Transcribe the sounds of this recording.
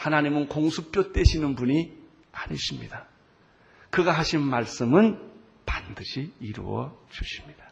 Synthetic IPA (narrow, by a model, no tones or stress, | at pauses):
hanaɲimɯnkoŋsʰup͈jot͈eɕʰinɯnbuɲi | aɲiɕʰimɲḭd̥a | kɯɡaɦaɕʰinmaɭs͈ɯmɯn | pandɯɕʰiːɾṵwʌ̰t͡ɕuɕʰi̥mɲid̥ḁ